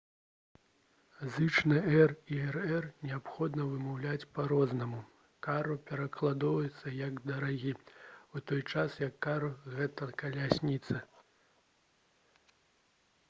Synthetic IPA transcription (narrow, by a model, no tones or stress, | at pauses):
zɨt͡ʂnɨɛriɛrɛrnʲɛapxɔd̪nɐvɨmawlʲat͡sʲpaɾɔznɐmu | kaɾupʲɛɾɐklˠad̪ɔvɐjɛt̪sːɐjɐɡd̪ɐɾaɣʲiut̪ɔjt͡ʂasjɐkːaɾuɣɛt̪ɐkɐlʲasʲnʲit̪sɐ